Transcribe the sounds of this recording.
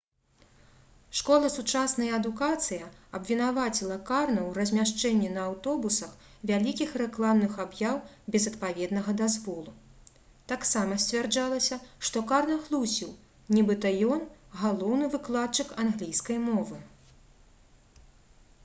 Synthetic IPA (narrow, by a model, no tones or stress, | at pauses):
ʂkɔlˠɐsut͡ʂasnɐjɐɐd̪ukat̪sɨjɐɐbvʲinavat͡sʲilˠɐkarnɐwrɐzʲmʲaʂt͡ʂɛnʲːinɐːwt̪ɔbusɐx | vʲalʲikʲixrɛklˠamnɨxabjaw | bʲɛzɐt̪pavʲɛd̪nɐɣɐd̪azvɔlˠu | t̪aksamɐsʲt͡sʲvʲard͡ʐalˠɐsʲɐʂt̪ɔkarnɐɣlˠusʲiw | nʲibɨt̪ɐjɔnɣalˠɔwnɨvɨklˠat̪̚t͡ʂɨkanɣlʲijskɐjmɔvɨ